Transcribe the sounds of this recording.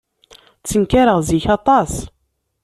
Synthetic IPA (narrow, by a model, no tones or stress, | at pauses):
t͡sːənkaɾəʁziçɑt̪ˤɑs